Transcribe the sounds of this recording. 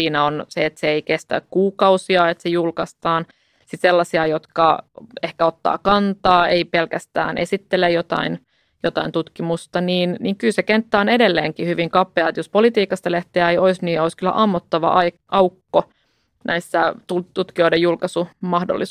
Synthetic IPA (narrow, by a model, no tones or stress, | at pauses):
iːnæonseet̪seeikest̪æ̰kkuːkɑusiɑet̪sejulkɑst̪ɑːn | sit̪selːɑsiɑjot̪kɑ̰ehkæot̪ːɑ̰ːkɑnt̪ɑːeipelkæst̪æ̰ːnʔesit̪ːelejot̪ɑ̰in | jot̪ɑ̰int̪ut̪kimust̪ɑniːnniŋkylsekent̪ːæonedelːeːŋkihyʋiŋkɑpːˑeɑt̪jospolit̪iːkɑst̪ɑleht̪eæejoisniːoiskylːæ̰ʔɑmːot̪ːɑʋɑ̰ʔɑ | ʔɑukːo | nʔæisːæt̪ut̪ut̪kio̞idejulkɑsumɑhdo̰lːi